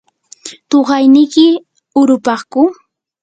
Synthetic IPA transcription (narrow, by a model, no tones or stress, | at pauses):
t̪oɢɑjnɪjkɪ | ʊɾʊpɑχkʊ